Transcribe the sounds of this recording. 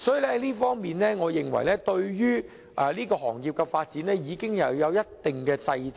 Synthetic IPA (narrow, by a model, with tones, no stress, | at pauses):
sɔː˨˥jiː˨lɛ˥˧liː˥fɔː˥ŋmiː˨nlɛː˥ŋɔː˨˧jɪ˨ŋwɐ̰˨˩jlɛː˥t̪ɵ˧ɥjyː˥ | ʔɛ˨liː˥kɔː˧ɦɔ̰ː˨˩ŋjiː˨˧p̚kɛ˧faː˧t̚t͡siː˨˥nɛː˥jiː˨˧kɪ˥ŋjɐ˨wjɐ˨˧wjɐ˥t̚t̪ɪ˨ŋkɛː˧t͡sɐ˧jt͡s